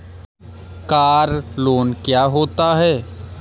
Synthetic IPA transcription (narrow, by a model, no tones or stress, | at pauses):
kaːɾloːnkjaːɦoːt̪aɦɛː